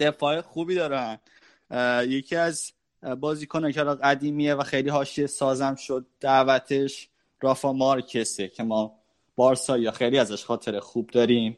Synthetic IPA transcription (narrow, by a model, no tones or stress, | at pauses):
d̪̥e̞fɒːexuːbiːd̪ɒːɾæn | je̞cʰiæz | bɒːziːkʰonɒcʰehlɒɣæd̪iːmiːevæxe̞jliːɦɒːʃiesɒːzæmʃod̪̥̚ːæʔvæt̪ʰe̞ʃ | ɾɒːfɒːmɒːɾcʰesecʰe̞mɒː | b̥ɒːɾsɒːjjɒxe̞jliæzæʃxɒːt̪ʰe̞ɾexuːb̚d̪ɒːɾiːm